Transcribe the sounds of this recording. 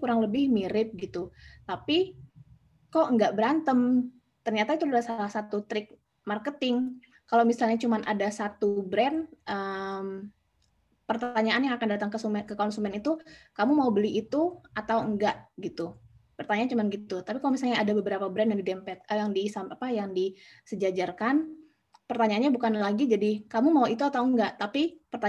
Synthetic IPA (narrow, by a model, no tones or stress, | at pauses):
kuɾaŋləbɪhmiɾɪp̚ɡit̪ut̪api | kɔʔəŋɡaʔbəɾant̪əm | t̪ərɲat̪ait̪uudasalahsat̪ut̪ɾɪk̚ | markət̪ɪŋ | kalomisalɲat͡ʃumanʔadasat̪ubɾɛnʔəm | pərt̪aɲaʔanjaŋakandat̪aŋkəsumɛkəkɔnsumɛnit̪ukamumaubəliʔit̪uʔat̪awəŋɡaʔɡit̪upərt̪aɲaːnt͡ʃumanɡit̪ut̪apikalomisalɲaːdabəbəɾapabɾɛndadidɛmpɛt̪̚əjaŋdisamapajaŋdisəd͡ʒad͡ʒarkan | pərt̪aɲaːnɲabukanlaɡid͡ʒadikamumauit̪uat̪awəŋɡaʔt̪apipərt̪a